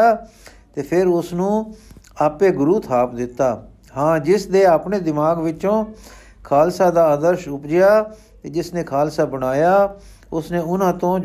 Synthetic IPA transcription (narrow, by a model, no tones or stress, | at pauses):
aː | t̪eːpʰɪɾʊsnũːaːpeːɡʊɾuːt̪ʰaːpd̪ɪt̪ːaː | hãːd͡ʒɪsd̪eːaːpɳeːd̪ɪmaːɡʋɪt͡ʃõː | kʰaːlsaːd̪aːəːd̪əɾʃʊpd͡ʒɪjaː | t̪eːd͡ʒɪsnẽːkʰaːlsaːbəɽaːjaː | ʊsneːʊnãːt̪õː